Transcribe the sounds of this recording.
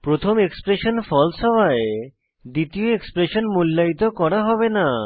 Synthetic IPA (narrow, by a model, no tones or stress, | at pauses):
pɾot̪ʰomekspɾeʃonfɔlʃɔbae | d̪it̪ioekspɾeʃonmulːait̪okɔɾaɦɔbena